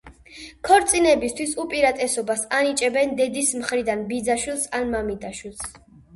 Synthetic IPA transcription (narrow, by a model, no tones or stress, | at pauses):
kʰɔɾt̪sʼinɛbist̪ʰwisupʼiɾat̪ʼɛsɔbasanit͡ʃʼɛbɛnd̪ɛd̪ismχɾid̪anbid̪zaʃwilˠsanmamid̪aʃwilˠs